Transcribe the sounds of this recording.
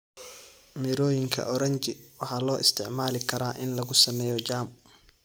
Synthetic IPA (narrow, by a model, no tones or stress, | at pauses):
mɪɾɔːjɪŋkʰɐ̰ʔɔɾɐɲt͡ʃɪwɑħɑːlɔːʔɪ̰st̪ʰɪʕmaːlɪkʰɐɾaːʔɪnlɐɣʊsɐmɛːjɔt͡ʃaːm